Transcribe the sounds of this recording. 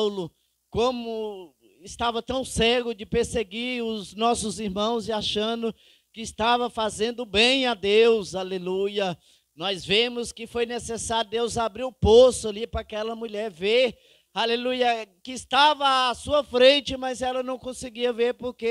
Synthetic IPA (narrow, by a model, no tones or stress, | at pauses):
wlʊ | kõmʊ | ɪst̪avɐt̪ɐ̃w̃sɛɡʊd͡ʒɪpeɾseɡiɾʊznɔsʊziɾmɐ̃w̃zɪaʃɐ̃d̪ʊ | kɪst̪avɐfazẽnd̪ʊbẽj̃ad̪ewzalelujɐ | nɔzvẽmʊskɪfojnesesaɾjʊd̪ewzabɾiɾʊposʊalipɾɐakɛlɐmuʎɛɾve | halelujɐkɪːst̪avɐasuɐfɾẽnt͡ʃɪmɐzɛlɐnɐ̃w̃kõsɪɡiɐveɾpoɾke